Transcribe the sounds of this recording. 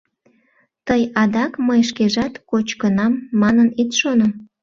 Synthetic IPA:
t̪əjɑd̪ɑkməjʃkeʒɑt̪kot͡ɕkənɑmːɑnənit̪ʃonəm

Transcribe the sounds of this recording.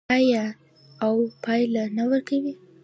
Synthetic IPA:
ja | awpɑjlanawəɾkawi

